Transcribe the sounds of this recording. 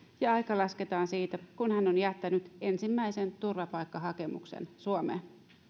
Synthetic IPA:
jɑɑjkɑlɑske̞t̪ɑːnsiːt̪ækunhænonjæt̪ːænyt̪e̞nsimːæjse̞nt̪urʋɑpɑjkːɑɦɑke̞mṵksḛnsuomḛːn

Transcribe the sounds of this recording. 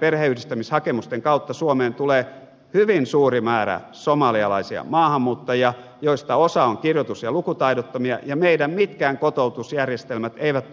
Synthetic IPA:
perheyhdist̪æmishɑkemust̪eŋkɑut̪ːɑsuomeːnt̪uleː | hyʋinsuːrimæːræ̰ | somɑliɑlɑ̰isiɑ̰mɑːhɑmːuːt̪ːojɑ | joist̪ɑosɑoŋkirjot̪usjɑlukut̪ɑidot̪ːomiɑ̰jɑmeidæmmit̪kæːŋkot̪out̪usjærjest̪elmæt̪eiʋæt̪

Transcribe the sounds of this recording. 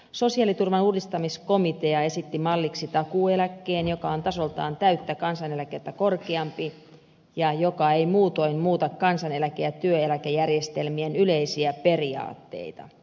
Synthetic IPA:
so̞siɑlit̪urʋɑnuːdist̪ɑmisko̞mit̪e̞ɑe̞sit̪ːimɑlːiksit̪ɑkuːelækːeːnjo̞kɑont̪ɑso̞lt̪ɑːnt̪æyt̪ːækɑnsɑnelæket̪ːæko̞rkeɑmpi | jɑjokɑejmuːt̪o̞immuːt̪ɑkkɑnsɑnelækeæt̪yøelækejærjest̪elmienyleisiæpe̞riɑ̰ːt̪ːe̞̰it̪ɑ̰

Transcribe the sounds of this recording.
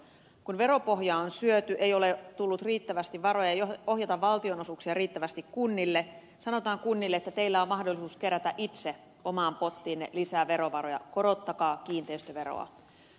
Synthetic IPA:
kunʋe̞ɾo̞po̞ɦjɑonsyøt̪yʔejo̞let̪ulːut̪riːt̪ːæʋæst̪iʋʋɑɾo̞jɑjoo̞ɦjɑt̪ɑʋʋɑlt̪io̞no̞suksiɑriːt̪ːæʋæst̪ikkunːilːe | sɑno̞t̪ɑːŋkunːilːeet̪ːæt̪e̞ilːæommɑhdolːˑisuːske̞ɾæt̪æʔit̪se | o̞mɑːmpo̞t̪ːiːnːḛlisæːʋe̞ɾo̞ʋɑɾojɑ̰ko̞ɾo̞t̪ːɑkɑːk̟iːnt̪eist̪øʋe̞ɾo̰ɑ̰

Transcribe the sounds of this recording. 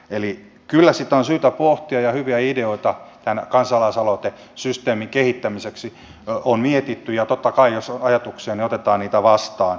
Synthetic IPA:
eli | kylːæsit̪ːæonsyːt̪æpoht̪iɑjɑhyʋiæideoit̪ɑt̪ænkɑnsɑlɑisɑlot̪e | syst̪eːmiŋkehit̪ːæmiseksi | onmiet̪it̪ːyjɑt̪ot̪ːɑkɑijosɑjɑt̪ukseːniot̪et̪ɑːnniːt̪æʋɑst̪ɑːn

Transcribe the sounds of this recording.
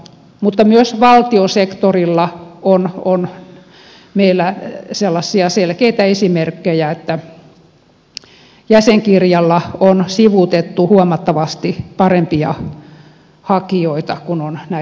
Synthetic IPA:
mut̪ːɑmyøsʋɑlt̪iosekt̪orilːɑonon | meilːæselːɑsːiɑselkeit̪æesimerkːejæet̪ːæ | jæseŋkirjɑlːɑonsiʋut̪et̪ːuhuomɑt̪ːɑʋɑst̪ipɑrempiɑ̰ | hɑkioit̪ɑkunonnæ

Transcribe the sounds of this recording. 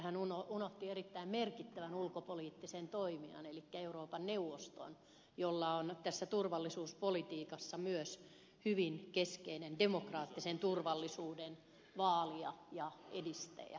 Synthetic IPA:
hænunounoht̪ieɾit̪ːæimmerkit̪ːæʋænulkopoliːt̪ːisent̪oimiɑ̰nelikːæeuroːpɑnneuʋost̪o̰n | jolːɑont̪æsːæt̪urʋɑlːisuːspolit̪iːkɑsːɑmyøs | hyʋinkeskeinendemokrɑːt̪ːisent̪urʋɑlːisuːden | ʋɑːliɑ̰jɑedist̪æ̰jɑ̰

